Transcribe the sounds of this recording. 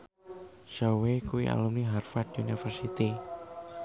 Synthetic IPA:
ʃawekuwḭʔa̰lumniɦarfad̥unifərsit̪i

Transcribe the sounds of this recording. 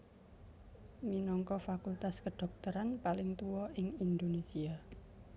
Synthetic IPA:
minɔŋkɔfakult̪askəɖ̥ɔ̤k̚t̪əɾanpalɪŋt̪uwɔɪŋind̪onesia

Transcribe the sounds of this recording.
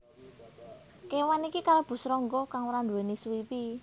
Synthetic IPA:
kewanikikalab̥ṳsɾɔŋɡɔkaŋwɾand̪ueniswipi

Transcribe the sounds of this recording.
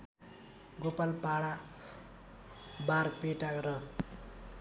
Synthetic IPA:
ɡopalpaɽa | barpeʈakɾʌ

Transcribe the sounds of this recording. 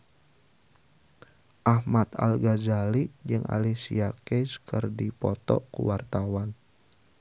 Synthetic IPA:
ʔahmat̪a̰lɡazalid͡ʒɨŋʔa̰lisiakeskɨrdipɔt̪ɔ̰kṵwart̪awan

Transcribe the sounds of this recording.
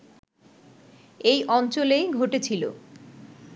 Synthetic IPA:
ejʔɔnt͡ɕolejɡʱoʈet͡ɕʰilo̰

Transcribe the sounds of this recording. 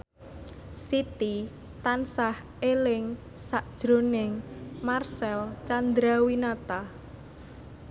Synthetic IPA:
sit̪i | t̪ansah | elɪŋ | saʔd̥ʒ̥ɾonɪŋmarsɛlt͡ʃand̪ɾawinat̪a

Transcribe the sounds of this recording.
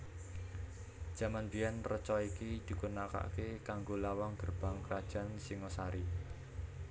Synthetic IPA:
d̥ʒ̥a̤manbijanrət͡ʃɔikid̪̥i̤ɡunaka̰kekaŋɡolawaŋɡərb̥a̤ŋkɾad̥ʒ̥a̤nsiŋɔsaɾi

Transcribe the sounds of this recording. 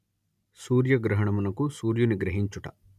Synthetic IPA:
suːɾjɐɡɾɐɦɐɳɐmɐnɐkusuːɾjuniɡɾɐɦiɲt͡ʃuʈɐ

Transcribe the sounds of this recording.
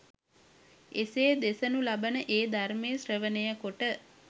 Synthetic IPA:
eseːd̪esənulabənəʔeːd̪armeːsrəʋənəjəkoʈə

